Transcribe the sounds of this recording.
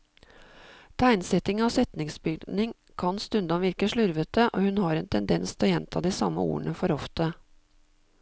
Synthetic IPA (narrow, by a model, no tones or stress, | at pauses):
t̪ʰæɪnsɛt̪ɪŋɑʋsɛt̪nɪŋsbʏɡ̪nɪŋ | kʰɑnst̪ʉnd̪ɑnʋɪɾkəʂɭʉɾʋət̪əʔo̰ːhʉnhɑːɾɛːnt̪ʰɛnd̪ɛnst̪ʰɪlɔjɛnt̪ʰɑːd̪iːsɑ̰mːə̰ṵːəɳʔəfɔɾɔft̪ə